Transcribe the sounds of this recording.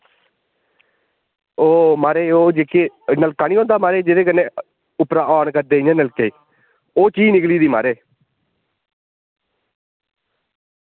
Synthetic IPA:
oːmaːɾeːoːd͡ʒeːkeːnəlkaːniːɦõːnd̪aːmaːɾeːd͡ʒed̪eːkənːẽː | ʊpɾaːaːɳkəɾd̪eːɪɲẽnəlkeːiː | oːt͡ʃiːnɪkliːd̪iːma̰ːɾeː

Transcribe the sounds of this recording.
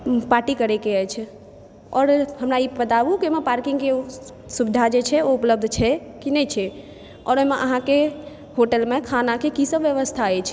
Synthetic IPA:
paʈikəɾɛkeəjt͡ʃʰ | ɔːɾhəmɾaibət̪abukiomepaɾkiŋɡke | subid̪ʱad͡ʒet͡ʃʰɛoupləb̚d̪ʱt͡ʃʰɛkinɛt͡ʃʰɛ | ɔ̰ɾoɦmeʔəɦãke | hoʈəlmekʰanakekisəbʋjəʋəst̪ʰaɛt͡ʃʰ

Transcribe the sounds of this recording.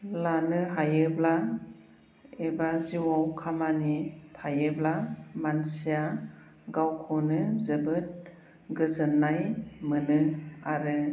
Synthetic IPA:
lanɯɦajɯbla | ebaziwawkʰamanitʰajɯblamansija | ɡawkʰɔnɯzɯbɯt̚ | ɡɯzɯnːajmɯnɯaɾɯ

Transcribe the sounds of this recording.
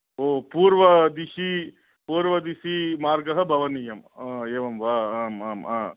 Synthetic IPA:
oːpuːɾʋɐd̪iʂi | puːɾʋɐd̪iʃimaːɾɡɐɦɐbʱɐʋɐnijɐmːeːʋɐmʋaːaːmaːmaː

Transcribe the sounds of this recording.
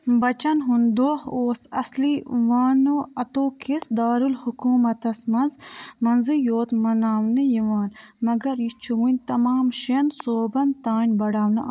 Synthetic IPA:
bɐt͡ʃɐnɦund̪oːhoːsɐ̰sliʋaːnoɐt̪oːkʰisd̪aːɾulhukuːmɐt̪ɐsmɐnzmɐnzɨjoːt̪mɐnaːwnɨjiʋaːn | mɐɡɐɾjit͡ʃʰuwunʲt̪ɐmaːmʃensoːbɐnt̪aːnʲbɐɽaːwnɨ

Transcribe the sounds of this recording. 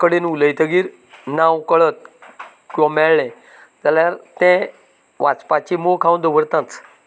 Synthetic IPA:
kəɽenuləjt̪ʰəɡiːɾ | nãwkəɭət̪̚ | kɔ̃mɛːɛ̃ | d͡zaljaɾt̪ɛ̃ | ʋat͡spat͡ɕimokʰãwd̪əʋəɾt̪ãt͡s

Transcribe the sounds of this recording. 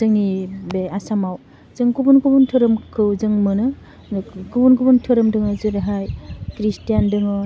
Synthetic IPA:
zɯŋibeasamaw | zɯŋkubunkubuntʰɯɾɯmkʰɯwzɯŋmɯnɯ | kubunkʰubuntʰɯɾɯmdɯŋɯzɯɾeɦajkɾistijandɯŋɯ

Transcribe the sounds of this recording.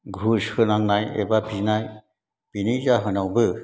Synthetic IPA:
ɡʱushɯnaŋnajɛ̰bapinaj | pinizaɦɯnawbɯ

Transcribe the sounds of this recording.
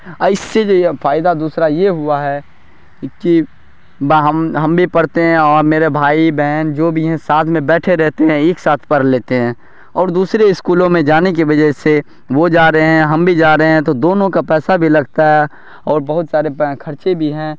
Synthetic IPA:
ɐɪsːed͡ʒofaːɪd̪ad̪uːsɾajeɦʊaɦɛ | ki | bɦɐmɦɐ̃mbʱipɐɽt̪eɦɛ̃ɔːɾmeːɾebʱaːibɛːnd͡ʒoːbʱiɦɛ̃saːt̪ʰmẽbɛːʈʰeɾɛɦt̪eɦɛ̃eːksaːt̪ʰpɐɾleːt̪eɦɛ̃ː | ɔːɾd̪uːsɾeɪskuːlõmẽd͡ʒaːnek̬iʋɐd͡ʒɛɦse | ʋod͡ʒaːɾəɦeɦɛ̃ɦɐmbʱid͡ʒaːɾəɦeɦɛ̃t̪od̪oːnõkapɛːsabʱilɐɡt̪aɦɛ | ɔːɾbɐɦʊt̪saːɾekʰɐɾt͡ʃebʱiɦɛ̃ː

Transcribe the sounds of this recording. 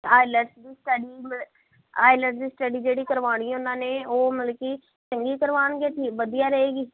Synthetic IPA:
aːɪləʈsd̪iːsʈəɖiːm | aːɪləʈsd̪iːsʈəɖiːd͡ʒeːɽiːkəɾʋaːɽ̃iːɦõnd̪aːneːoːmələkiː | t͡ʃəŋɡiːkəɾʋaːɳɡeːʈʰiːkʋəd̪ijaːɾəɦeːɡiː

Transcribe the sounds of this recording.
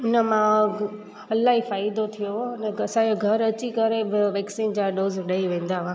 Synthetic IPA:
ʊnəmã | ɐlaːɦifaːɪd̪ot̪ʰijonəɐsãoɡʱɐɾɐt͡ɕikɐɾebɪʋeːksiːnd͡ʑãɖoːzɗɐiʋẽːn̆d̪aːɦãː

